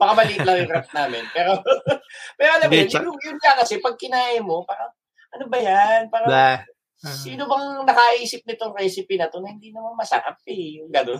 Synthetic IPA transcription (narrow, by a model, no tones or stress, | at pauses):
bɐkamɐliːlɐŋjʊŋɾap̚naːmɪnpɛːɾo̞ | pɛːɾoɐlɐmʊnʊŋjʊŋkɐkɐsɛpɐɡ̚kɪnaːʔɪmo̞paːɾɐŋ | ʔɐnobɐjanpaːɾɐ | siːno̞bɐŋnɐkɐʔiːsɪp̚nɪt̪oŋɾɛːsɪpinɐt̪o̞nɐhɪnd̪iːnɐmanmɐsɐ̰ʔa̰p̚ɛjʊŋɡɐd̪o